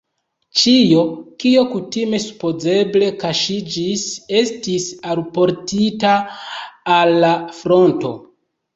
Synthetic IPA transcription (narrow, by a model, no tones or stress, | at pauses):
t͡ʃijo̞kio̞kutime̞su̥po̞ze̞ble̞kaʃid͡ʒise̞stisalpo̞ɾtitaː | lːafɾo̞nto̞̰